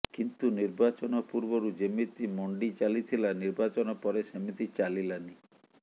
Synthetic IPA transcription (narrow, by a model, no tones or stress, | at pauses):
kint̪uniɾbat͡ʃɔnɔpuɾbɔɾud͡ʒemit̪imɔɳɖit͡ʃalit̪ʰilaniɾbat͡ʃɔnɔpɔɾesemit̪it͡ʃalilani